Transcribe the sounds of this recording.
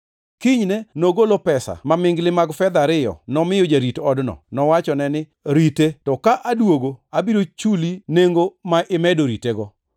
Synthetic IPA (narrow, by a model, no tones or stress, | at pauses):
kiɲnɛnoɡolopɛsa̰mamɪŋɡlɪmaɡfɛd̪aɾɪjɔ̰nɔmɪjod͡ʒaɾitɔdnɔ̰nɔwat͡ʃɔnɛnɪ | ɾitetɔkaʔadwoɡoabiɾot͡ʃulineŋɡomaʔɪmɛdoɾiteɡɔ